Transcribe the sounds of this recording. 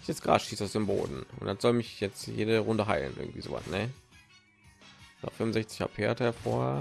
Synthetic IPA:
ɛsɡʁa̰ːʃiːsaʊsd̥eːmbo̰ːdn̩ʊntd̥anz̥ɔlmɪçjɛt͡stjḛːɾəʁʊndəɦaɪlə̰nʔɪ̰ɐɡŋ̩tv̥ḭːzo̰ːva̰snɛ | na̰fɪmʊnzɛçt͡sɪçha̰ːpfeːɐtəhɛɐfoːɐ

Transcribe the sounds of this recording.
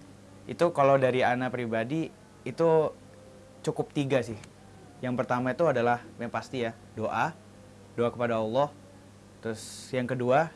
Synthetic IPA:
ʔḭt̪ukalawdaɾianapɾibadiː | t̪u | t͡ʃukʊp̚t̪iɡasɪh | jaŋpərt̪amait̪uadalahpast̪ija | doʔa | doakəpadaɔlˠːɔh | t̪ɾʊsjaŋkədua

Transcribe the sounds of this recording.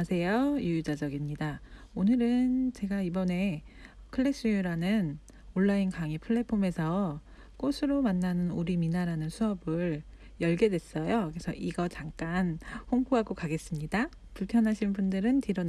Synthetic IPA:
sʰe̞jojujud͡ʑad͡ʑʌɡimɲidaonɯɾɯnt͡ɕe̞ɡaibʌne̞kʰɯɭːe̞s͈ujuɾanɯn | oɭːainkaŋipʰɯɭːe̞pʰome̞sʰʌ | k͈osʰɯɾomanːanɯnuɾiminaɾanɯnsʰuʌbɯɭ | jʌɭɡe̞dwe̞s͈ʌjokɯɾesʰʌʔiɡʌt͡ɕaŋk͈anɸoŋkʰuɦaɡokaɡe̞s͈ɯmɲida | puɭpʰjʌnɦaɕʰinbundɯɾɯntiɾʌn

